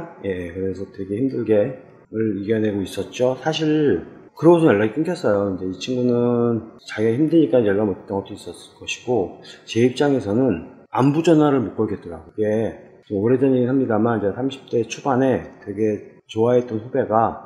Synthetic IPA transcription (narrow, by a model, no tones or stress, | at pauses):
je̞kɯɾe̞sʰʌtwe̞ɡe̞çimdɯɭɡe̞ | ɯɾiɡene̞ɡois͈ʌt̚t͡ɕ͈osʰaɕʰiɭ | kɯɾʌɡs̬ʰʌjaɭːaɡik͈ɯŋkʰʌs͈ʌjokɯnde̞it͡ɕʰiŋɡunɯnt͡ɕaɡeçimdɯɲik͈anjʌɭːamotʰt͈ʌnɡʌt͈ʰois͈ʌs͈ɯɭk͈ʌɕʰi̥ɡ̥ot͡ɕe̞ip̚t͡ɕ͈aŋe̞sʰʌnɯn | ambud͡ʑʌnɦwaɾɯɭmok͈ʌɭɡet̚t͈ʌɾa̰ɡoiɡe̞ | ʌmoɾe̞dʌniɡinɦamɲidamanid͡ʑesʰamɕʰi̥p̚t͈e̞t͡ɕʰubane̞twe̞ɡe̞ | t͡ɕoaet͈ʌnɸobe̞ɡa